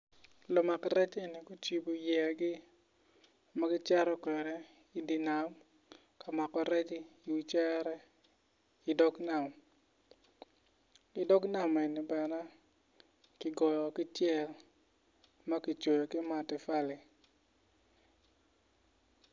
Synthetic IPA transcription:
lɔ˨ma˨kɾɛ˦t͡ʃɪ˦ni˨ku˦t͡ʃi˦bo˨jɛ˨ɡɪ˦ | ma˦ɡɪ˦t͡ʃɛ˦ɾɔ˦kwɛ˨ɾɛ˦ | i˨di˨na˨m | ka˨ma˨kɔ˨ɾɛ˦t͡ʃi˦i˨wi˨t͡ʃɛ˦ɾɛ˦ | ɪ˨dɔ˦ɡna˨m | kɪ˨dɔ˦kna˨mɛ˨ni˨bɛ˨nɛ˦ | kɪ˨ɡɔ˨jɔ˨kɪ˦t͡ʃjɛ˦˨l | ma˦ki˨t͡ʃo˨jɔ˨kɪ˦ma˨tɪ˨fa˦lɪ˨

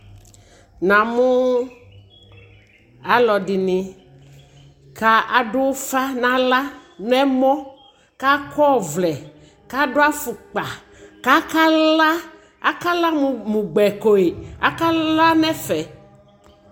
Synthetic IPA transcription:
nã˨mũ˦ | a˦lɔ˨di˨nĩ˨ | ka˦ʔa˨ɖʊ˦wfa˦nã˦la˦nɛ˦mɔ̃˦ | ka˦kʰɔ˦˨vlɛ˨ | ka˦ɖo˦a˦fu˨k͡pa˨ | ka˦ka˦la˦ | a˦ka˦la˦˨mũ˨ɡ͡bɛ˨ko˨e˨a̰˦ka˦la˦nɛ˦fɛ˨

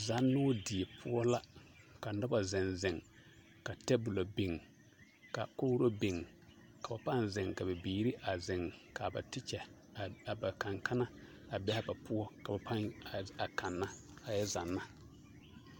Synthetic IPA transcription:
za˨˦nːʊː˦di˨e˨pʰʊ˦ɔ˦la˦ | ka˨nɔ˦ba˨zɛ˨nzɪ˨ŋ | ka˨tɛ˦bʊ˨lo˨bi˨ŋ | ka̰˨ko˦ɾo˦be˨ŋ | ka˨ba˨pa˦nzɛ˨ŋka˨bɛ˨biː˨ɾi˦ʔa˨zɪ˨ŋka˨ba̰˨tɪ˦t͡ʃɛ˨ | ba˨ka˨ŋka˦na˦ | a˨bɛ˦ha˦ba˨pʊ˦ɔ˦ka˨ba˨pa˦ŋa˨ka˨nːa˦ | a˨jɛ˦za˨nːa˦

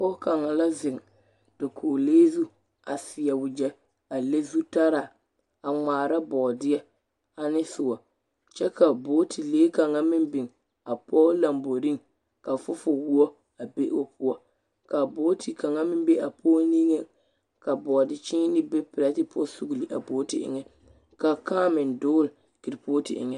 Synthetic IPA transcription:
kɔ˦ka˨ŋa˨la˦zɪ˨ŋ | d̥a˨kʰoː˨leː˦zu˦ | a˨sɪ˨jɛ˨wʊ˨d͡ʒɛ˦ | a˨le˦zu˦ta˦ɾa˨ | a˨ŋŋ͡maː˨ɾa˦bɔː˨dɪ˦ɛ˦ | a˨nɪ˦sʊ˨wɔ˨ | t͡ʃɛ˦ka˨bo˦tʰi˨leː˦ka˨ŋa˦mɪ˦mbɪ˨ŋ | a˨pɔː˦la˨mbo˨ɾi˦ŋ | ka˨fʊ˦fʊ˦wu˦ɔ˦ | a˨be˦ʔo˨pʰʊ˦ɔ˦ | ka˨bo˦tʰi˨ka˨ŋa˦mɪ˦m˦be˦a˨pʰoː˦ni˦ŋɛ˦ | ka˨bɔ˨dɪ˨t͡ʃɪ˦ŋ˦nɪ˦bɛ˦pɪ˨ɾa˦tɪ˦pʰo˦su˨ɡli˨ʔa̰˨boː˦ti˨ʔɪ̰˦ŋɛ˦ | ka˨kaː˦mɪ˨ndʊː˦l | kɪ˨ɾpo˦tḭ˨ʔɪ̰˨ŋɛ˦

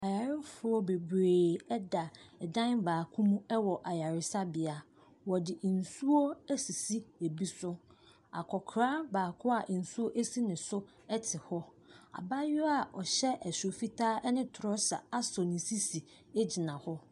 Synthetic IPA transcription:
a˨ja˨ɾɪ˦fʊ˨˦ɔ˦be˨bɾeː˨ɛ˦da˨ɛ˨dã˦nbaː˨kʰũ˦mũ˦ɛ˦wɔ˨ʔa˨ja˨ɾɪ˦sa˦bɪ˨a˨ | wɔ˨dɪ˨n̩˨su˦o˦æ˦si˨si˦e˨bi˦sʊ˦ | a̰˨kʰɔ˨kʰɾaː˦baː˨kʰʊ˦a˨ʔn̩˨su˦o˦ʔe˦si˦nɪ̃˨sʊ˦ | ɛ˦tʰɪ˨hɔ˦ | a̰˨ba˦jʊ˦a˨ɔ˨ɕɛ˦ʔɛ˨sʊ˨o˨fi˦tʰaː˦ɛ˦nɪ̃˦tʰʊ˨ɾɔ˦sa̰˨a˦sɔ˨nɪ̃˨si˦si˨ | e˦d͡ʑi˨nã˨hɔ˦

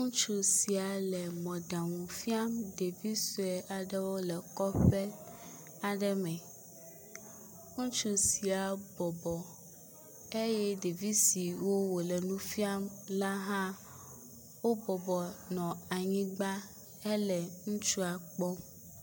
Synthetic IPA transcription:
ŋũ˦t͡ʃu˦si˨a˨lɛ˨mɔ̃˨ɖa˨ŋũ˨fi˦a˦mɖe˨vi˦su˨ɛ˨ʔa˨ɖɛ˦wo˦lɛ˨kɔ˦ɸɛ˦ | a˨ɖɛ˦mɛ̃˨ | ŋũ˦t͡ʃu˦si˨a˨bɔ˨bɔ˨ | e˦jɛ˦ɖe˨vi˦si˨wo˦wo˨lɛ˨nũ˦fi˦a˦mla˦ɦã˦ | wo˦bɔ˨bɔ˨nɔ̃˨a˨ɲĩ˦ɡ͡ba˦ | e˦lɛ˨ŋũ˦t͡ʃu˦a˨k͡pɔ˦

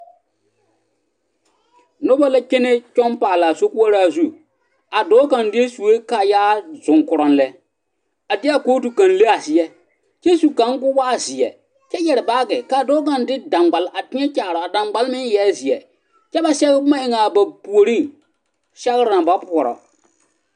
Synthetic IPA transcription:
no˦ba˦la˦ke˦ne˦t͡ʃɔ˦npaː˨la˨so˦ku˦a˦ɾa˦˨zu˦ | a˨dɔː˨˦ka˨ndɪ˦e˦su˨we˦ka˨jaː˦zʊ˨ŋkʊ˨ɾɔ˨n˦lɛ˦ | a˨dɪ˦a˨koː˦tu˨kã˨nle˦a˨sɪ˨jɛ˦ | t͡ʃɛ˦su˨ka˨˦ŋ˦ɡʊ˦waː˦zɪ˨ɛ̰˨ | t͡ʃɛ˦jɛ˨ɾɪ˨baː˦ɡɛ˨ka˨dɔː˦ka˨ndɪ˦dã˨mɡ͡ba˨lʔa˨tɪ˦ɲɛ˦t͡ʃaː˨ɾɔ˨a˨da˨mɡ͡ba˦lmɪ˦njɛː˦zɪ˨ɛ˨ | t͡ʃɛ˦ba˨sɛ˦ɣɪ˦kʊ˦ma˦ɪ˦ŋa˨ba˨pu˨o˨ɾi˦ŋ | ʃɛ˦ɣɪ˦ɾɪ˨ɾa˨ba˦pʊ˨ɔ˨ɾɔ̰˨

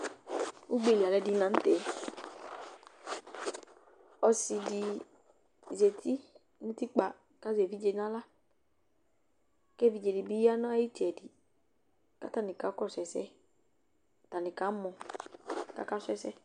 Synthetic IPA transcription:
u˦ɡ͡be˦˨li˨a˨lɛ˨˦di˨nã˨˦n̩˦t̪ɛ˨˦ | ɔ˨si˧di˨ | ze˨t̪ʰi˦ | nũ˦t̪i˦k͡pa˨ | ka˦ze˨vi˦d͡ʒe˧nã˦la˦ | kɛ˦˨vi˦d͡ʒe˨di˨bi˦a˦nɔ̃˦a˦ji˦t̪i˨ɛ˨di˨ | ka˦t̪a˦nĩ˨ka˨˦kɔ˦sɛ˨sɛ˦ | t̪a˨nĩ˨ka˨˦mɔ̃˨ | ka̰˨˦ka˦sɛ˦sɛ˦

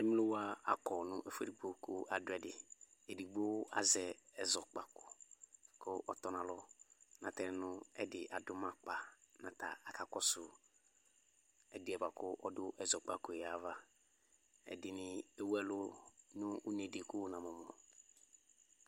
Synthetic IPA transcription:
ɪ˦m˦lʊ˦wa˦a˨kɔ˨nʊ̃˦ʔe˨fe˨ɾi˨ɡ͡bo˦kʊ˦ʔa˨dʊ˨˦ɛ˨dɪ˨e˨di˨ɡ͡bo˦a̰˦zɛ˨ɛ˨zɔ˨k͡pa˨kʊ˨kʰʊ˦ʔɔ˦tɔ˦nã˨lɔ˦nã˨tɛ˦n˨nʊ̃˦ɛ̰˦dɪ˨ʔa˨dʊ˦mã˦k͡pa˨nã˨ta˨a˨ka˨kɔ˦sʊ˨ | ɛ˨dɪ˨ɛ˨ba˨kʊ˦ʔɔ˦dʊ˦ʔɛ˨zɔ˨k͡pa˨kʊ˨ɛ˨a˨va˦ | ɛ̰˨dɪ˨nɪ̃˦e˦wɛ˦lʊ˦nʊ̃˦u˦nẽ˨dɪ˨kʊ˦nã˨mɔ̃˨m˨ʊ̃˨

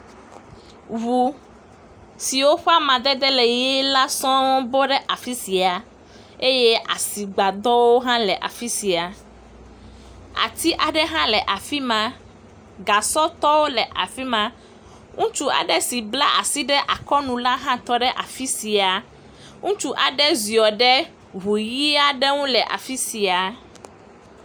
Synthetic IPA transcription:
vu˨ | si˨wo˦ɸu˦a˦mã˨d̪ɛ˦d̪ɛ˦le˨jɛ˦la˦sɔ̃˦bo˦ɖɛ˦ʔa˨fi˦si˨a˨ | e˦je˦ʔa̰˨si˨ɡ͡ba˨d̪ɔ˦wo˦ɦã˦lɛ˨ʔa̰˨fi˦si˨a˨ | a̰˨t̪i˦ʔa˨ɖɛ˦ɦã˦lɛ˨ʔa˨fi˦mã˦ | ɡa˨sɔ˦t̪ɔ˦wo˦lɛ˨ʔa̰˨fi˦mã˦ | ŋũ˦t͡ʃu˦a̰˨ɖɛ˦si˨bla˦ʔa˨si˦ɖɛ˦ʔa˨kɔ˦nũ˨la˦ɦã˦t̪ɔ˦ɖɛ˦ʔa̰˨fi˦si˨a˨ | ŋũ˦t͡ʃu˦ʔa˨ɖɛ˦zi˨ɔ˨ɖɛ˦ | ɦu˨ji˦a˦ɖɛ˦ŋũ˦lɛ˨ʔa̰˨fi˦si˨a˨

